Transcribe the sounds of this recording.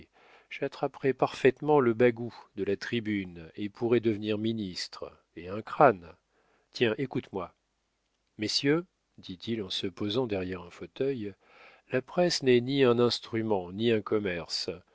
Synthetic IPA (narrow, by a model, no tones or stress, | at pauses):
ʒ̥at̪χapχɛpaʁfɛt̪mɑ̃ləbaɡud̪əlat̪χibynepʰuʁɛd̪əvniʁminist̪χ | eɛ̃kχan | t̪jɛ̃ʔekut̪mwa | mesjø | d̪it̪ilɑ̃səpozɑ̃d̪ɛʁjɛʁɛ̃fot̪œj | lapχɛsnɛniɛ̃nɛ̃st̪χymɑ̃niɛ̃kɔmɛʁs